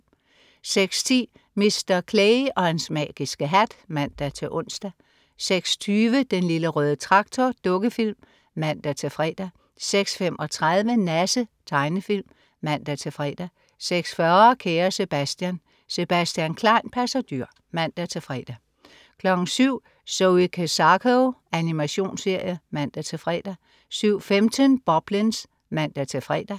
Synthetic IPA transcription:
seɡ̥st͡sʰḭː | me̝sd̥ɐkʰleɪɒ̽hænsmɛ̰ːɡ̥isɡ̥əɦæd̥mæn̰d̥æt͡sʰe̝ʔɔn̰sd̥æ | seɡ̥st͡sʰyːʋəd̥enliləʁœːðˠət͡sʰʁɑ̈ɡ̥t͡sʰɒd̥ɔ̽ɡ̥əfil̰mː | æn̰d̥æt͡sʰe̝fʁɛ̰d̥æ | seɡ̥sfem̰ʔɒ̽t͡sʰʁað̞ˠʋənæsət͡sʰɑ̈ɪnəfilmː | æn̰d̥æt͡sʰe̝fʁɛ̰ːd̥æ | seɡ̥sfɶːɐɐkʰeːɐse̝b̥æsd̥jæn | se̝b̥æsd̥jænkʰlɑ̈ɪ̰npʰæsæd̥yɐ̰ | mæn̰d̥æt͡sʰe̝fʁɛ̰ːd̥æ | kʰlɒ̽ɡ̥n̩syʊ̰ | soikʰæsɑkʰoænimæɕo̝̰ːnse̝ɐ̰jəmæn̰d̥æt͡sʰe̝fʁɛ̰ːd̥æ | syʊ̰femt͡sʰənb̥ɒb̥lins | mæn̰d̥æt͡sʰe̝fʁɛ̰ːd̥æ

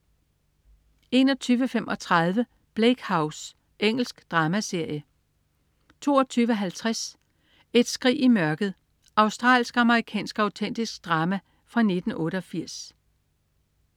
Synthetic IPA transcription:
e̝̰ːnɒ̽t͡sʰyːʋəfemʔɒ̽t͡sʰʁɑð̞ˠʋə | b̥leɡ̥hɑ̈ʊs | ʔeŋ̰l̩sɡ̥d̥ʁɑ̈ːmæse̝ɐ̰jə | t͡sʰo̝̰ːɒt͡sʰyːʋəɦælt͡sʰʁas | e̝d̥sɡ̥ʁḭːimɶɐɡ̥ð̞̩ˠ | ɑ̈ʊsd̥ʁɑ̰̈ːlsɡ̥ɑ̈məʁikʰɛ̰ːnsɡ̥ɑ̈ʊt͡sʰen̰d̥isɡ̥̚d̥ʁɑ̈ːmæ | fʁɑ̈ne̝d̥n̩ɔ̽ːɾəɒ̽fiɐ̰s

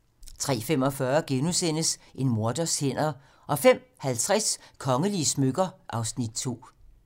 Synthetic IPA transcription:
t͡sʰʁɛ̰ːfem̰ɒ̽fɶɐɡ̥enusen̰əsʔe̝nmo̝ɐd̥ɐshen̰ɐ | ʔɒ̽fem̰hælt͡sʰʁaskʰɒ̽ŋəliəsmøɡ̥ɐʔɑ̈ʊsnid̥̚t͡sʰo̝̰ː

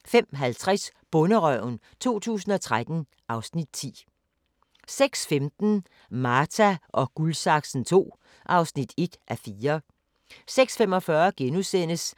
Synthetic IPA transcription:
fem̰ɦælt͡sʰʁasb̥ɔ̽nəʁœʊ̰n | t͡sʰo̝̰ːt͡sʰṵːsn̩ɒ̽t͡sʰʁad̥n̩ | ʔɑ̈ʊsnid̥̚t͡sʰḭː | seɡ̥sfemd̥n̩ | mɑːt͡sʰæʔɒ̽ɡ̥ulsɑ̈ɡ̥sn̩t͡sʰo̝̰ː | ʔɑ̈ʊsnid̥e̝d̥ʔæfiːɐ | seɡ̥sfemɒ̽fɶɐɡ̥enusen̰əs

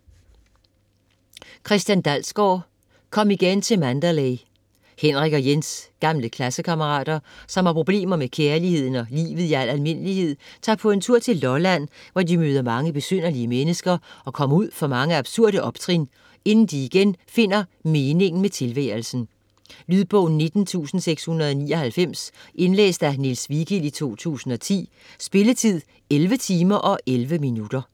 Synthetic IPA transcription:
kʰʁɛsd̥jænd̥ælsɡ̥ɒː | kʰɒ̽miɡ̥ent͡sʰe̝lmænd̥ælɛɪ | henʁiɡ̥ɐjensɡ̥ɑ̈mləkʰlæsəkʰɑ̈məʁɑ̰̈ːd̥ɐsɒ̽mhɑ̈pʰʁo̝b̥le̝̰ːmɐmekʰeɐlihe̝ð̞̰ˠn̩ɒ̽lḭːʋð̞̩ˠiæl̰ælme̝n̰əlihe̝ð̰ˠt͡sʰɑ̰̈ːpʰɒ̽e̝nt͡sʰuɐ̰t͡sʰe̝lːɒlæn̰ʋɒdimøːð̞ˠɐmɑ̈ŋəb̥e̝søn̰ɐliəmenəsɡ̥ɐɒ̽kʰɒ̽muð̞̰ˠfɒ̽mɑ̈ŋəɑ̈b̥suɐ̰ɾəʔɒ̽b̥t͡sʰʁin | e̝nn̩d̥iːɡ̥enfe̝n̰ɐme̝ːne̝ŋn̩met͡sʰe̝lʋɛ̰ːlsn̩ | lyðˠb̥ɔʊn̩ːe̝d̥n̩t͡sʰṵːsn̩seɡ̥shunɐð̞̩ˠɒ̽niːɒ̽hælfem̰sʔe̝nlḛːsd̥ænilsʋiɡ̥ilit͡sʰo̝̰ːt͡sʰṵːsn̩ɒ̽t͡sʰḭː | sb̥e̝lət͡sʰið̰ˠ | elʋət͡sʰiːmɐʔɒ̽ʔelʋəminud̥ɐ

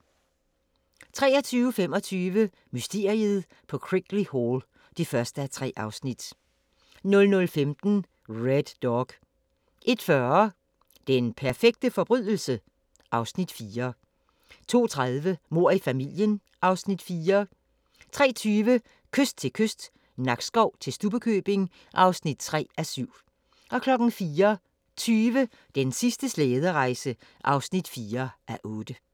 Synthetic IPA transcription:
t͡sʰʁɛ̰ːɐt͡sʰyːʊəfem̰ɒ̽t͡sʰyːʋə | mysd̥e̝ːɐ̰iəð̞̩ˠ | pʰɒ̽kʰʁiɡ̥lihoːl | d̥ifɶɐsd̥əæt͡sʰʁɛ̰ːʔɑ̈ʊsnid̥ | nɔ̽lnɔ̽lfemd̥n̩ | ʁed̥ːɒɡ̥ | ʔe̝d̥fɶɐ | d̥enpʰæɐfeɡ̥̚d̥əfɒ̽b̥ʁyðˠl̩sə | ʔɑ̈ʊsnid̥fiːɐ | t͡sʰo̝̰ːt͡sʰʁaðˠʋəmo̝ɐ̰ifæmil̰jən | ʔɑ̈ʊsnid̥fiːɐ | t͡sʰʁɛ̰ːt͡sʰyːʋə | kʰøsd̥̚t͡sʰe̝lkʰøsd̥ | nɑ̈ɡ̥sɡ̥ɒʊ̰t͡sʰe̝lsd̥ub̥əkʰøb̥e̝ŋ | ʔɑ̈ʊsnid̥t͡sʰʁɛ̰ːæsyʊ̰ | ʔɒ̽kʰlɒ̽ɡ̥n̩fiːɐ | t͡sʰyːʋə | d̥ensisd̥əsleːð̞ˠəʁɑ̈ɪsə | ʔɑ̈ʊsnid̥fiːɐʔæʔɔ̽ːd̥ə

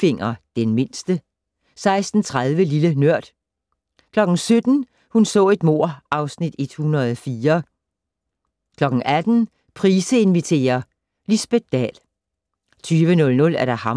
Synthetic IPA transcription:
fe̝ŋ̰ɐd̥enme̝n̰sd̥ə | sɑ̈ɪsd̥n̩t͡sʰʁaðˠʋəlilənøɐ̰d̥ | kʰlɒ̽ɡ̥n̩sød̥n̩ | hunsɔ̰̽ːe̝d̥mo̝ɐ̰ʔɑ̈ʊsnid̥e̝d̥hunʁɐð̞ˠɒfiːɐ | kʰlɒ̽ɡ̥ŋ̩ʔæd̥n̩ | pʰʁiːsəe̝nʋit͡sʰe̝̰ːɐ | lisb̥e̥d̥ɛ̰ːl | t͡sʰyːʋənɔ̽lnɔ̽læɐɾ̥ɑ̈hɑ̈

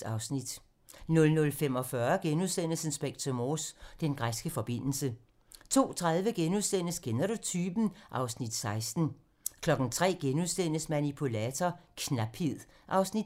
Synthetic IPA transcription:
ɑ̈ʊsnid̥ | nɔ̽lnɔ̽lfemɒ̽fɶɐɡ̥enuðˠsen̰l̩sən̩sb̥eɡ̥̚t͡sʰɔmosd̥enɡ̥ʁasɡ̥əfɒ̽b̥e̝n̰l̩sə | t͡sʰo̝̰ːt͡sʰʁað̞ˠʋəɡ̥enuðˠsen̰əsɡ̥enɐɾot͡sʰyb̥n̩ʔɑ̈ʊsnid̥sɑ̈ɪsd̥n̩ | kʰlɒ̽ɡ̥n̩t͡sʰʁɛ̰ːɡ̥enuðˠsen̰əsmænipʰulɛːt͡sʰɒkʰnæb̥hið̰ˠ | ʔɑ̈ʊsnid̥

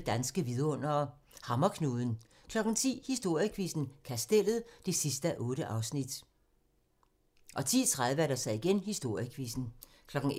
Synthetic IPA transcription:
ed̥ænsɡ̥əʋiðˠɐɔ̽n̰ɐ | hɑ̈mɐkʰnuːðˠn̩ | kʰlɒ̽ɡ̥n̩t͡sʰḭːhisd̥o̝ɐ̰jəkʰʋisn̩kʰæsd̥el̰ð̞̩ˠd̥e̝sisd̥əʔɔ̽ːɾ̥əʔɑ̈ʊsnid̥ | ʔɒ̽t͡sʰḭːt͡sʰʁaðˠʋædɐsɑ̈ɪiɡ̥enɦisd̥o̝ɐ̰jəkʰʋisn̩ | kʰlɒ̽ɡ̥n̩

